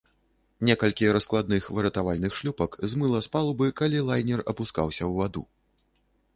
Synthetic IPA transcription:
nʲɛkɐlʲkʲiɾɐsklˠad̪nɨxvɨɾɐt̪avalʲnɨxʂlʲupɐkzmɨlˠɐspalˠbɨkalʲilˠajnʲɛrɐpuska̰wsʲɐwvad̪ṵ

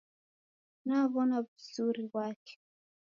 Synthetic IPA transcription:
naβɔnavizuɾiwake̥

